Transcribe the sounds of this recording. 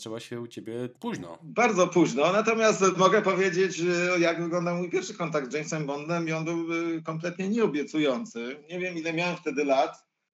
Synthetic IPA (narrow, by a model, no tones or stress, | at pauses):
t͡ʂɛwaɕɛut͡ɕebʲjɛpuʑnɔ̰baɾd̪zɔpuʑnɔnat̪ɔmʲjast̪mɔɡɛpɔvʲjed͡ʑet͡ɕjaɡvɘɡlɔnd̪amujpʲjɛɾfʂɘkɔnt̪aɡ̚d̪d͡ʒɛjmsɛmbɔnd̪nɛmiɔnbɘwkɔmplɛt̪ɲɛɲɛɔbʲjɛt̪sujɔnt̪sɘɲɛvʲjɛmilɛmʲjawɛmft̪ɛd̪ɘlat̪